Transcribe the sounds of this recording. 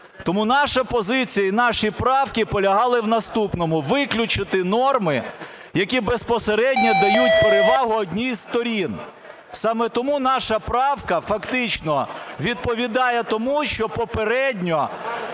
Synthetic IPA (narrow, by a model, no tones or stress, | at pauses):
t̪ɔmunɑʃɐpɔzɪt͡sʲijɐinɑʃipɾɑwkʲipɔlʲɐɦɑlˠɪwnɐst̪upnɔmʊʋɪklʲʊt͡ʃɪt̪ɪnɔrmɪ | jɐkʲibespɔseɾɛdʲnʲɔd̪ɐjutʲpeɾeʋɑɦʊɔdʲnʲijst̪ɔɾʲin | sɑmɛt̪ɔmunɑʃɐpɾɑwkɐfɐkt̪ɪt͡ʃnɔʋʲid̪̚pɔʋʲid̪ɑjɛt̪ɔmuʃt͡ʃɔpɔpeɾɛdʲnʲɔ